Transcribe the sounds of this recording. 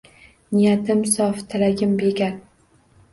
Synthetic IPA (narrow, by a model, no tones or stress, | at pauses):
nɪjat̪ʰɪmsɒft̪ʰɪlaɡʲɪmbeɡʲaɾ